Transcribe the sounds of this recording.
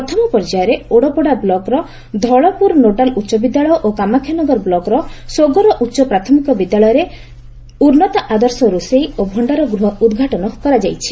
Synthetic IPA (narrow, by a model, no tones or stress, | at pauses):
pɾɔt̪ʰɔmɔpɔɾd͡ʒajɔɾeoɽɔpɔɽablɔkɾɔ | d̪ʱɔɭɔpuɾnoʈalutːʃɔbid̪jaɭɔjɔʔokamakʰjanɔɡɔɾɔblɔkɾɔsoɡɔɾɔʔutːʃɔpɾat̪ʰɔmikɔbid̪jaɭɔjɔɾe | uɾnɔt̪aʔad̪ɔɾsɔɾusejobʱɔɳɖaɾɔɡɾuɦɔud̪ɡʱaʈɔnɔkɔɾad͡ʒajt͡ʃʰi̥